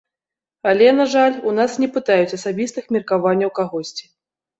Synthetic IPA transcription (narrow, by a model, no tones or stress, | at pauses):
alʲɛnaʐalʲunasnʲɛpɨt̪ajut͡sʲɐsabʲist̪ɨxmʲirkavanʲːɐwkaɣɔsʲt͡sʲi̥